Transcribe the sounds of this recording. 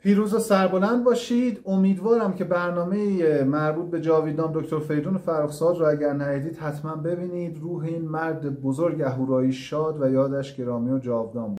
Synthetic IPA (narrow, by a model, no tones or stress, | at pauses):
pʰiːɾuːzosæɾbo̞lænd̪̚bɒːʃiːd̪o̞miːd̪vɒːɾæmcʰe̞bæɾnɒːme̞iemæɾbuːt̪̚be̞d͡ʒɒːviːd̪ɒːmd̪oct̪ʰo̞ɾfe̞jd̪uːnofæɾuːxsɒːd̪ɾɔːæɟæɾnæiːd̪iːd̪̥hæt̪ʰmænbe̞biːniːd̪ɾuːɦeiːnmæɾd̪ebozoɾɟæɦuːɾɒːiʃɒːd̪væjɒːd̪æʃɟe̞ɾɒːmiːod͡ʒɒːvd̪ɒːmb